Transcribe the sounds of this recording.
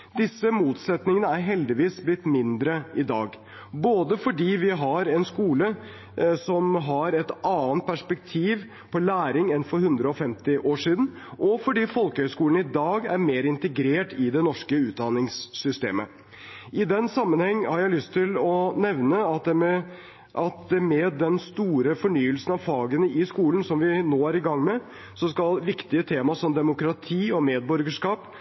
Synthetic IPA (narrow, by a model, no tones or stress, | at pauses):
d̪ɪsːəmuːt̪sɛt̪nɪŋənəæɾɦɛld̪ɪʋiːsblɪt̪ːmɪnd̪ɾəɪd̪ɑːɡ | boːd̪əfɔɖiːʋɪɦɑɾɛnskuːlə | sɔmɦɑɾɛt̪ʔɑːənt̪̚pʰæʂpɛk̚t̪ʰiːʋ | pʰɔlæːɾɪŋɛnfɔɾhʉnd̪ɾəɔfɛmt̪ɪʔoːʂiːd̪n̩ | ʔɔfɔɖiːfɔlkəhœʏskuːln̩ɪd̪ɑːɡæɾmeːɾɪnt̪ɛɡɾeːʈɪd̪ɛnɔʂkəʉːd̪ɑnɪŋsːʏst̪ḛːmə | ɪd̪ɛnsɑmːənhɛŋːhɑɾjæɪlʏst̪ʰːɪlɔnɛʋnəɑ | ʔɑt̪̚d̪ɛmɛd̪ːɛnst̪uːɾəfɔɳyːəlsən̩ɑʋfɑːɡənəɪskuːlən̩sɔmʋɪnoːæɾɪɡɑŋːmɛ | sɔskɑlʋɪkt̪ɪət̪ʰeːmɑsɔmd̪ɛmʊkɾɑt̪ʰiːɔmeːd̪̚bɔɾɡəʂkɑːp